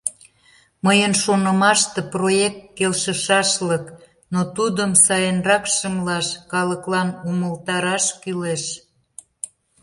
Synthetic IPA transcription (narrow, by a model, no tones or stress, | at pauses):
məjənʃonəmɑʃt̪eprojek̚t̪̚kelʃəʃɑʃlək | not̪ud̪əmsɑjənrɑkʃəmlɑʃkɑləklɑnuməlt̪ɑɾɑʃkyleʃ